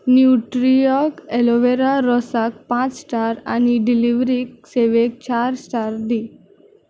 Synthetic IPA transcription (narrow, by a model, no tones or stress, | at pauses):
njuʈɾijɔkelɔʋeɾaɾɔsakpãt͡ssʈaɾa̰niɖiliʋɾik̚seʋek̚t͡ɕaɾsʈaɾd̪i